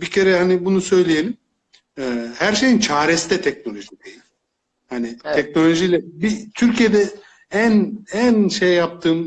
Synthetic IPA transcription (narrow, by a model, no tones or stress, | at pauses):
bicʰe̞ɾɛhanibunusø̞jlʲije̞lʲim | ɛːhæɾʃe̞jint͡ʃʰaːɾest̪ɛt̪ʰɛcno̞lʲo̞ʒid̪ejilʲim | hanit̪ʰɛc̚no̞lʲo̞ʒijlʲɛbit̪ʰyɾcʰije̞d̪ɛ | ænænʃejːap̚t̪ʰɯːm